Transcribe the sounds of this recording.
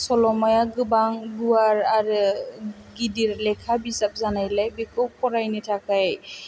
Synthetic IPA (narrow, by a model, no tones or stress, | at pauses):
sɔlɔmajaɡɯbaŋɡuwaɾaɾɯ | ɡidiɾlɛkʰabisap̚zanajlajbikɯwpʰɔɾajnitʰakaj